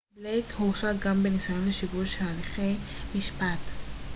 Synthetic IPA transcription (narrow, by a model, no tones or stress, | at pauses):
blejkhuʃad̪̚ɡambenisajonleʃivuʃaːliχejmiʃpat